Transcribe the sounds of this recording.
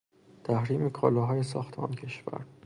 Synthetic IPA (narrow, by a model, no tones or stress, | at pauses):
t̪ʰæhɾiːmekʰɒ̰ːlɒːɦɒːjesɒ̰ːxt̪ʰeɒ̰ːncʰe̞ʃvæ̰ɾ